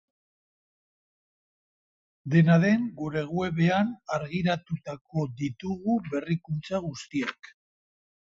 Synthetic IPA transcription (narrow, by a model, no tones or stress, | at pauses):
d̪e̞naðe̞ŋɡuɾe̞ɣ̞ue̞βe̞anaɾɣiɾat̪ut̪ako̞ðit̪uɣuβe̞rikunt͡saɣ̞ust̪iek